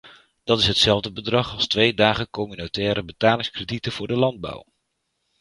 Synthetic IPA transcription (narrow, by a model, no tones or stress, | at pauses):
d̥ɑtɪsɦətsɛlˠvdəbədrɑχɑlˠstʋejdaːχəkɔmynotɛːɾəbətaːlɪŋskrəditənvʊːɹdəlɑnd̚bʌ̰w